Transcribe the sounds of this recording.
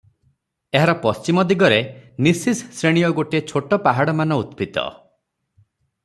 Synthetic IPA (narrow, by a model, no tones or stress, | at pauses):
eɦaɾɔpɔst͡ʃimɔd̪iɡɔɾenisisːɾeɽ̃ijɔɡoʈiet͡ʃʰoʈɔpaɦaɽɔmanɔut̪pit̪ɔ̰